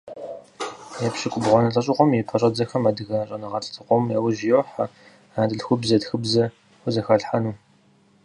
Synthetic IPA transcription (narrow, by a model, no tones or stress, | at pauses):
jɛpɕɪkʷʼʊbʁʷɔnɐɬʼɐɕʼɪqʷɔmjɛpʰɐɕʼɐd͡zɐxɐmadɨɣɐɕʼɐnɐʁɐɬʼtʰɨqʷɔmjawʊʒjoħa | aːdɨɬxʷʊbzɐtxɨbzɐ | xʷʊzɐxɐɬħanuː